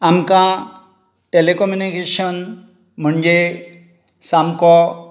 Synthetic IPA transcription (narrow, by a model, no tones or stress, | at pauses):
amkã | ʈelekɔmjunikeɕən | m̤əɳd͡ʑe | samkɔ